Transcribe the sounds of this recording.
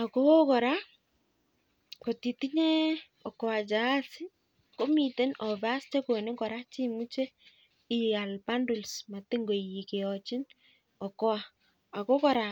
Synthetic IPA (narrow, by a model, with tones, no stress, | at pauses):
a˨ko˦kɔ˨ɾa˦ | ko˨ti˨ti˦ɲɛ˦ | ɔ˨kɔ˨wa˨t͡ʃa˨a˦si˦ | ko˦mi˨te˦nɔ˨βa˦st͡ʃe˦ko˨ne˦ɡɔ˨ɾa˦t͡ʃi˦mu˦t͡ʃe˦ | i˨a˨lpa˦ndu˨lsma˨te˦ŋɡo˨ji˨ke˨ɔ˨t͡ʃɪ˦n | ɔ˨kɔ˦a˨ | a˨ko˦kɔ˨ɾa˨